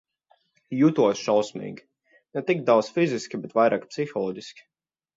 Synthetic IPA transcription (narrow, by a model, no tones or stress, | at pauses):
jut̪uɔsʃawsmḭːɡʲi | nɛt̪ikd̪aw̪sfiziskʲibɛt̪vajɾaːkpsixɔlˠɔːdʲiskʲi̥